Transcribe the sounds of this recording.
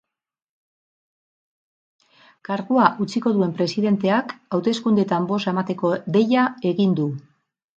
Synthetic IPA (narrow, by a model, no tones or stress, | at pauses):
kaɾɣuaʔut͡siko̞ðue̞mpɾe̞siðe̞nt̪e̞akawt̪e̞skund̪e̞t̪ambo̞semat̪e̞ko̞ðe̞jae̞ɣind̪u